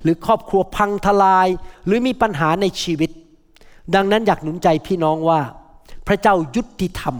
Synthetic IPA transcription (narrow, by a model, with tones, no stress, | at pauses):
ɾɯː˩˦kʰɔː˥˩p̚kʰɾu˧ɐpʰa˧ŋt̪ʰa˧laː˧jɾɯː˩˦miː˧pa˧nɦaː˩˦na˧jt͡ɕʰiː˧wi˦˥t̪̚ | da˧ŋna˦˥njaː˨˩k̚nu˩˦nt͡ɕa˧jpʰiː˥˩nɔː˦˥˩ŋwaː˥˩pʰɾa˦˥t͡ɕa˥˩wju˦˥t̪ʰːi˧t̪ʰa˧m